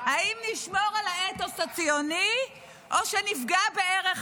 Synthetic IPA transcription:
haimniʃmoʁalaet̪osat͡sjoni | ʔoʃenifɡabeeʁe

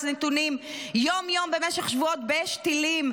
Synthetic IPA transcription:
net̪unimjomjo̞mbemeʃeχʃvuot̪beeʃt̪ilim

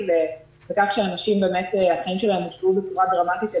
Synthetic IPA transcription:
le | vekaχʃeanaʃimbe̞ːme̞teaχaimʃelaemoʃbubet͡suʁadʁomat̪it̪

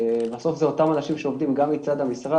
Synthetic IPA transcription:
baso̞fzeo̞t̪amanaʃimʃeo̞vd̪imɡamit͡sad̪hamisʁa

